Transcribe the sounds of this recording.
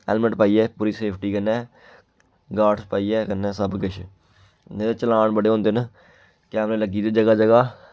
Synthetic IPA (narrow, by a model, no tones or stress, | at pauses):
ɛ̰ːlməʈpaːiːɛːpuːɾiːseːpʰʈiːkənːɛ̃ː | ɡaːʈʰpaːiːɛːkənːɛ̃ːsəbkɪt͡ʃʰ | ed̪eːt͡ʃəlaːɳbəɽeːɦõːnd̪eːnə | kɛːmɾeːləɡiːd̪eːd͡ʒəɡaːd͡ʒəɡaː